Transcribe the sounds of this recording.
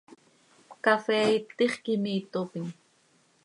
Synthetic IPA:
kafeːit̪ɪχkɪmiːt̪opɪŋ

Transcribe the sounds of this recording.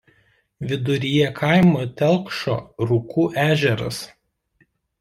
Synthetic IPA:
ʋʲɪd̪ʊɾʲɪjɛkʰɑˑɪmoːt̪ʲɛlˠkʃo̰ːɾʊkuːʔæːʒʲɛɾɐ̰s

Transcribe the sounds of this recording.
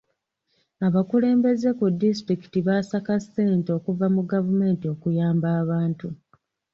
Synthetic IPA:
aβakule̞ːmbe̞ze̞kudːis̬tɾiki̥tiβaːsakasːeːnto̞ːkuvamuɡavume̞ːntio̞kujaːmbaːβaːntu

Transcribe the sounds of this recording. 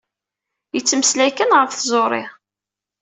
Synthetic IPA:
jət͡sːməslækənʁəɾfθzˤoɾˤɪ̰

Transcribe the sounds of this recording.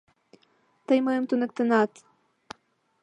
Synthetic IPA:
t̪əjmɤjə̆mt̪unə̆k̚t̪ə̆nɑt̪

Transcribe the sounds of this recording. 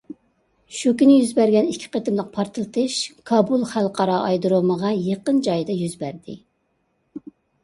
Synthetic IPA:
ʃukʲinɪjyzbæɾɡʲɛnikʲʰːi̥qət̪ɨmlˠəq̚pʰɑɾt̪ʰɨlˠt̪ʰɨʃkʰɑbulˠχælˠqʰɑɾɑʔɑjd̪ɾoməʁɑjeqənd͡ʒɑjd̪ɑjyzbæɾd̪ɪ̰

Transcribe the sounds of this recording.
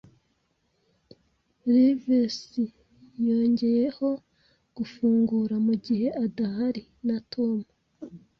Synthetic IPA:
ɾivisi | jo̞ːɲɟe̞jeho̞ | ɡ̥ufuːŋɡuːɾamuɟihe̞ʔadahaɾi | natʰo̞mu

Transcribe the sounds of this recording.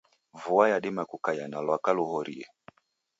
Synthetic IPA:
vuajaɗimakukajanalwakaluhɔɾiɛ

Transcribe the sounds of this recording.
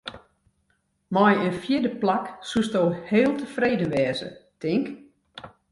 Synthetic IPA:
mɔjənfjɪdəplaksustoːheːlˠtəfreːdənʋɛːzə̰tɪŋk

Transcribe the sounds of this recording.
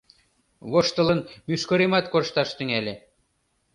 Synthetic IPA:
βoʃt̪ɤ̆lˠɤ̆nmʲyʃkoɾemɑt̪koʃt̪ɑʃt̪ɘ̆ŋælʲɘ̆

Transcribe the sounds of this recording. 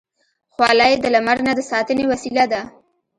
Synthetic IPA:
xwɑlɑjed̪əlamaɾnad̪əsɑt̪ənewasilad̪a

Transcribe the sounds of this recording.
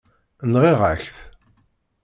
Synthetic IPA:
nʁeʁæçθ

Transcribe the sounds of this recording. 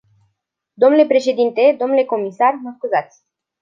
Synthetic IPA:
d̪o̞mnule̞pɾe̞ʃe̞d̪int̪e̞d̪o̞mnule̞ko̞misarməskuzat̪sʲ

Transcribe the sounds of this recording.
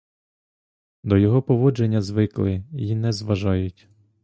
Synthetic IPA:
d̪ɔjɔɦɔpɔʋɔd͡ʒe̞nʲːɐzʋɪklˠɪjinɛzʋɐʒɑjʊtʲ

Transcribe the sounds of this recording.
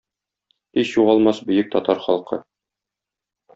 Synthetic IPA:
iʃjuʁɒlˠmɑsbɵ̆jɘk̚t̪ɒt̪ɑɾχɒlˠqɤ̰

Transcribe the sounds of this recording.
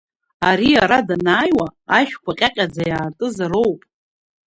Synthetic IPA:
aɾiaɾadanaːjwaːʃᶣkʷʰaqʲʼaqʲʼad͡zajaːrtʼɨzaɾo̞wpʼ

